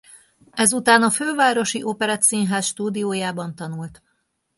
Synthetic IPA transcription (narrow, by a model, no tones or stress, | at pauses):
ɛzut̪aːnɒføːvaːɾo̞ʃiʔopɛɾat̪sinɦaːsʃt̪uːd̪ioːjaːbɒnt̪ɒnult̪